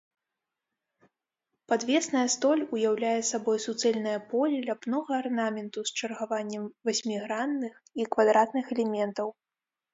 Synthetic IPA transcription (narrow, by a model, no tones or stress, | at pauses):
pad̪vʲɛsnɐjɐst̪ɔlʲujawlʲajɛsabɔjsut̪sɛlʲnɐjɐpɔlʲɛlʲapnɔɣɐːrnamʲɛnt̪ust͡ʂɐrɣavanʲːɛmvasʲmʲiɣɾanːɨxikvad̪ɾat̪nɨxɛlʲɛmʲɛnt̪ɐw